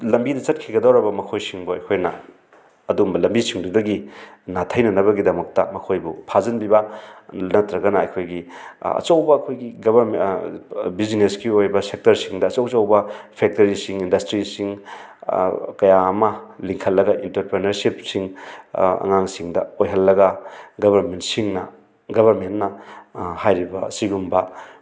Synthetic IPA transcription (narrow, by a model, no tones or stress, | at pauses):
lɐmbidɐt͡ʃɐt̚kʰiɡɐdawɾɐbɐmɐkʰojsiŋbuɐjkʰojnɐ̰ː | duumbɐlɐmbisiŋdudɐɡinatʰɐjnɐnɐβɐɡidɐmɐk̚tɐmɐkʰojbupʰazɐnbibɐnɐtɾɐɡɐnɐːjkʰojɡiɐ̰t͡ʃɐwbɐːkʰojɡiɡɐβɐɾm | bizineskiojbɐsek̚tɐɾsiŋdɐːt͡ʃawt͡ʃawbɐpʰek̚tɐɾisiŋindɐstɾisiŋ | kɐjaːmɐliŋkʰɐlːɐɡɐʔintɐɾpɾenɐɾsipsiŋ | ɐ̰ŋaŋsiŋdɐojɦɐlːɐɡɐɡɐbʱɐɾmentsiŋnɐ | ɡɐbʱɐɾmentnɐhajɾibɐsiɡumbɐ